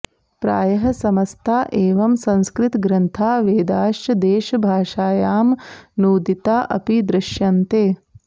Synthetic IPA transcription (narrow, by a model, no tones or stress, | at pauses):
pɾa̰ːjɐɦɐsɐmɐst̪ʰaːʔeːʋɐmsɐ̃nskɾɪt̪ɡɾɐnt̪ʰaːʋeːd̪aːʃt͡ʃɐd̪eːʃɐbʱaːʃaːjaːmnuːd̪it̪aːʔɐ̰pid̪ɾɪʃjɐnt̪eː